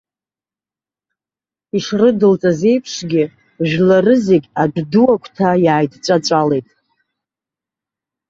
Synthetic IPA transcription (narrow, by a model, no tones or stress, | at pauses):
iʂrɨdɨlt͡sʼaze̞jpʰʂɡʲɪ | ʒᶣlarɨze̞ɡʲad͡ʒduwakʷʰtʰajaːjdt͡ʃʷʼat͡ʃʷʼale̞jtʼ